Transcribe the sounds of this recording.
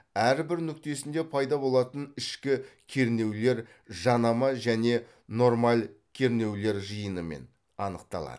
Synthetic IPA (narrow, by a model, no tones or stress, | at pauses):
æɾbɪɾnʏk̚ʲt̪e̞sɪnd̪e̞pʰɑjd̪ɑbo̞lˠɑt̪ənɪʃkʲɪkʲʰe̞ɾne̞wle̞ɾ | ʒɑnɑmɑʒæne̞ | no̞ɾmɑlkʲʰe̞ɾne̞wle̞ɾʒəjənəmḛn | ɑnəq̚t̪ɑ̰lˠɑ̰d̪ə